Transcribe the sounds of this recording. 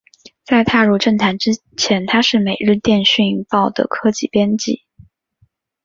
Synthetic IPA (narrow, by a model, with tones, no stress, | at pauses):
t͡sa˥˧ɪt̪ʰa˥˧ɻu˥˧ʈ͡ʂə˥˩ŋt̪ʰa˧˥nʈ͡ʂɻ̩˥ | t͡ɕʰjɛ˧˥nt̪ʰa˥ʂɻ̩˥˩me˨˩ɪɻɻ̩˥˧t̪jɛ˥˧nɕy˥˧ŋpɑ˥˩ʊd̪ə̰˩kʰɤ˥t͡ɕi˥˩pjɛ˥nt͡ɕḭ˥˩